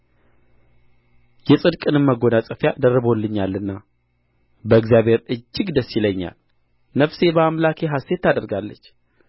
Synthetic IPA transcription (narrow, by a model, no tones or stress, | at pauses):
jɛsʼɨd̪kʼɨnɨmːəɡo̞nasʼəfjad̪ərːəβo̞lːɨɲːalːɨnːa | bəɨkzjabhe̞ɾɨd͡ʒːɪɡd̪əsːiləɲːa̰l | nəfse̞bəamlakʰeɦast̪e̞t̪ːad̪əɾɡalːət͡ʃː